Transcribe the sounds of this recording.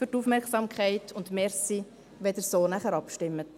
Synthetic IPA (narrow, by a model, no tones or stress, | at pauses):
yɾtufmɛɾksɑmkʰχɛɪtʰʊntmɛɾsi | ʋɛd̥əɾsoːnæχəɾɑpʃtɪmːət